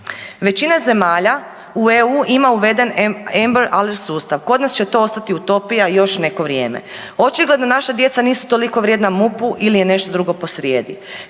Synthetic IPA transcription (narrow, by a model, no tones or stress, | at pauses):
ʋe̞t͡ɕinaze̞maːʎa | ueuːʔimauʋe̞d̪e̞nembeɾaleɾsuːst̪aʋko̞d̪nast͡ɕe̞t̪o̞ost̪at̪iut̪o̞pijajo̞ʃne̞ko̞ʋɾje̞ːmḛ | o̞t͡ʃiɡle̞d̪nonaʃad̪je̞t̪saniːsu̥t̪o̞liko̞ʋɾʲje̞ːd̪namupuʔilijene̞ʃt̪od̪ɾuɡo̞po̞sɾjeːd̪i